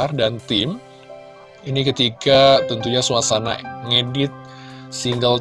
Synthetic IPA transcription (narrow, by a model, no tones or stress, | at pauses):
ardant̪im | inikət̪ikat̪ənt̪uɲasuasana̰ŋedɪt̪̚ | siŋɡəl